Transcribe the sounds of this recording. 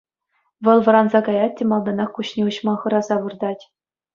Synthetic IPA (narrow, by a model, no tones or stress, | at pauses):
ʋɤ̆lˠʋɤ̆ɾɑnzɑkɑjɑt̚ʲːɘ̆mɑlˠd̪ɑnɑχkuɕnʲiuɕmɑχɤ̆ɾɑzɑʋɯrd̪ɑtʲ